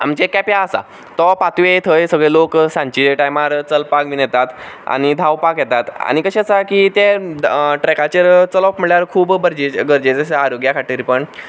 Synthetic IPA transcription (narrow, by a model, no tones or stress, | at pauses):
a̰mt͡ɕekɛpjaəsa̰ | t̪ɔpat̪uet̪ʰəjsəɡɭeloksãɲt͡ɕiʈajmaɾt͡səlpakʋinɛt̪at̪a̰ɽ̃id̪ʱawpakjɛt̪at̪a̰ɽ̃ikəɕet͡sakit̪e | ʈɾɛkat͡ɕəɾt͡səlɔpm̤əɭjaɾkʰuːbɡəɾd͡ʑeɡəɾd͡ʑet͡sesaaɾoɡjakʰaʈiːɾpəɳ